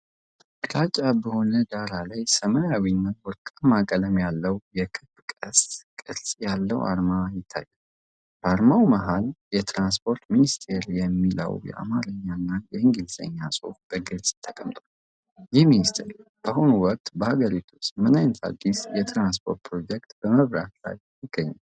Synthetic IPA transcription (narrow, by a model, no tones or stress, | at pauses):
ɾat͡ʃʼːabəho̞nəd̪aɾalajsəməawinːət̪wɔɾkʼamakʼələmjalːəwjɛkʰɨb̥kʼəskʼɨɾsʼjalːə̰wa̰ɾmajɪt̪ʰːa̰jːɛl | b̥əaɾmawməɦaljɛt̪ʰɾanspʰo̞ɾt̪minist̪ʰe̞ɾjɛmːilə̰wjɛ̰ʔa̰maɾəɲːanːajɛhɨŋɡilzə̰ɲːasʼo̞̰fb̥əɡɨɾsʼt̪ʰːəkʼəmt̪ʼwal | jɪhminist̪ʰḛɾb̥əhonuwɔk̚t̪bəhaɡəɾit̪ʰu̥t͡ʃːmɨnajnət̪a̰d̪ːisjɛt̪ʰɾanspʰo̞ɾt̪̚pʰɾo̞d͡ʒɛk̚t̪b̥əməβɾa̰t̪la̰jjɪɡ̥ːəɲːal